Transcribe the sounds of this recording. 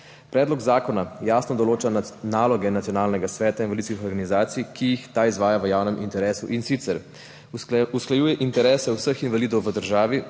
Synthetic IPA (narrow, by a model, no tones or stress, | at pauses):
pɾɛːd̪lɔɡzaːkɔnajaːsnɔd̪ɔloːt͡ʃanaːlɔɡɛnat̪sijɔnaːlnɛɡasʋɛːt̪ainʋalid̪skixɔɾɡanizaːt̪sijkijixt̪aizʋaːjaʋəjaːwnɛmʔḭnt̪ɛɾɛːsṵʔinsit̪sɛɾ | usklajuːjɛʔint̪ɛɾɛːsɛwsəxinʋaliːd̪ɔwʋəd̪əɾʒaːʋi